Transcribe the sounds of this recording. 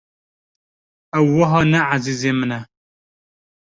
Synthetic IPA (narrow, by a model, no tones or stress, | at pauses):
ɛwːəɦɑːnɛʕaziːzemənɛ